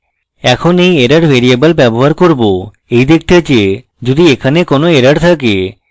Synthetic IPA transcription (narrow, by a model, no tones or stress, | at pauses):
ɛkʰonejeɾaɖbʱeɾiebəlbɛboɦaɾkoɾbo | ejd̪ek̚ʰt̪ʰet͡ʃʰe | d͡ʒod̪iekʰanekonoeɾaɖt̪ʰake